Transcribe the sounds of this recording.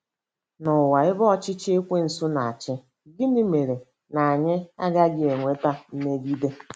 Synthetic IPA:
nʊ˨wa˨ɪ˦bɔ˦ɔ˨t͡ʃɪ˦t͡ʃe˦kʷe˦n̩˨sʊ˦na˨a˨t͡ʃɪ˦ | ɡɪ˦ni˦me˨ɾe˨ | na˨a˨ɲɪ˦a˦ɡa˦ɡɪ˦e˨ŋʷe˦ta˦n̩˦me˦ɡi˦de˦

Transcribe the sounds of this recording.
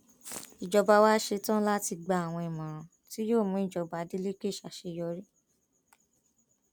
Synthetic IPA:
i˨d͡ʒɔ˧ba˧waː˦ʃe˧tã˦la˦ti˧ɡ͡ba˧a˨w̃ɔ̃˧i˨mã˨ɾ̃ã˨ | ti˨˦joː˦˨mũ˨˦i˦˨d͡ʒɔ˧ba˨˦di˦le˦ke˦˨ʃa˨˦ʃe˧jɔ˧ɾi˦

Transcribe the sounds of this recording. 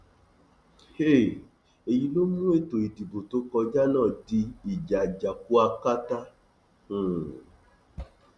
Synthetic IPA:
he˦˨ | e˨ji˧lo˦mũ˦e˦to˨i˨di˨bo˨to˧˦kɔ˧d͡ʒa˦nãː˦˨di˧i˨d͡ʒa˨d͡ʒa˨ku˦a˧ka˦tã˦˨

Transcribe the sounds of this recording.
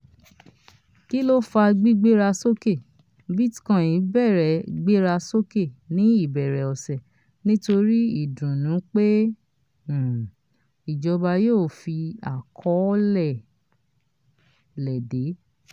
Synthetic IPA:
ki˦lo˦fa˧ɡ͡bi˦ɡ͡be˦ɾa˧so˦ke˦˨ | bi˦tkã˦˨ĩ˨˦bɛ˦˨ɾɛ˨ɡ͡be˦ɾa˧so˦ke˦˨nĩ˦i˦˨bɛ˨ɾɛ˨ɔ˨sɛ˨ | nĩ˦to˧ɾi˦i˦˨dũ˨nũ˨˦k͡pe˦˨ | i˨d͡ʒɔ˧ba˧joː˦˨fi˧a˨kʰɔ˨˦lɛ˦˨ | lɛ˨de˨˦

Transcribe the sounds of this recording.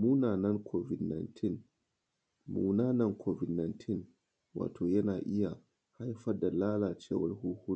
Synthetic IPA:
mu˦naː˨nɐ˦ŋkʰo˦vi˨dna˨jntʰi˦n | mṵː˦naː˦nɐ˦ŋkʰo˦vi˨dna˨jntʰi˦n | wa̰ː˨tʰoː˨jɐ˦naː˨ʔɪ˦ja˨ | ha˦jfɐ˦da˨laː˦laː˨t͡ʃeː˦wɐ̰˨lhu˦hu˦

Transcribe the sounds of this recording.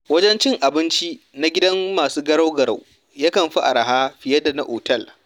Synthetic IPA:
wɐ˦d͡ʒɛ˦nt͡ʃɪ˦ŋʔa˨bɪ˦nt͡ʃi˦ | na˦ɡʲɪ˦dɐ˦mːaː˨suː˦ɡɐ˦ɽa˦wɡɐ˨ɾa̰˨w | jaː˦kɐ˨mɸi˦ʔa̰˨ɾa˨ɦaː˦ɸɪ˨jɐ˦da˨na̰˨ʔoː˨tɐ˦˨l

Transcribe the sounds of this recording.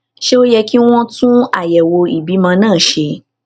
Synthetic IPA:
ʃe˦o˦jɛ˧ki˦w̃ɔ̃˦tũ˦a˦˨jɛ˨wo˧i˨bi˨˦mã˧nãː˦˨ʃe˧

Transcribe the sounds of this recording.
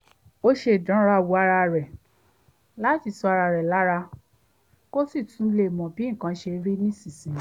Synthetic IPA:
o˦ʃe˧˨dã˨˦ɾa˧˨wu˨˧˦a˧ɾa˧ɾɛ˨ | la˦ti˨˧˨sɔ˧a˧ɾa˧˨ɾɛ˨la˨˦ɾa˧ | ko˦si˦˨tũ˨˦le˦˨mɔ̃˨bĩ˦˨kã˧˦ʃe˧ɾi˦nĩ˦si˨sĩ˨˦

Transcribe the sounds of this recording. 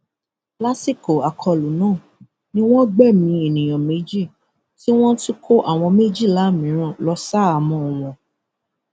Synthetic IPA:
pla˦si˦˨ko˨a˨kʰɔ˧˨lu˨nãː˦˨ | nĩ˦w̃ɔ̃˦ɡ͡bɛ˦˨mĩ˧e˨nĩ˨j̃ɔ̃˨me˨˦d͡ʒi˦˨ | ti˦w̃ɔ̃˦ti˦kʰo˦ʔa˦˨w̃ɔ̃˧me˦d͡ʒi˦˨la˨˦mĩ˨˦ɾ̃ã˦˨lɔ˧sa˦a˦˨mɔ̃˧˨w̃ɔ̃˧

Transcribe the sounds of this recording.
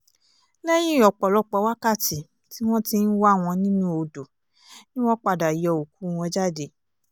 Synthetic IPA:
lɛ˦j̃ĩ˦˨ɔ˨k͡pɔ˨lɔ˧k͡pɔ˧˦wa˦ka˦˨ti˨ | ti˦w̃ɔ̃˦ti˧n̩˦wa˦˨w̃ɔ̃˧nĩ˦nũ˦o˧do˨ | nĩ˦w̃ɔ̃˦k͡pa˧da˨i˨ɔ˧˨o˨ku˨˦˨w̃ɔ̃˧˦d͡ʒa˦˨de˨˦

